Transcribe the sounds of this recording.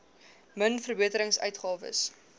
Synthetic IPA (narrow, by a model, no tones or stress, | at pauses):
mənfərbiətəɾəŋsœ̰ɥtχɑːvə̰s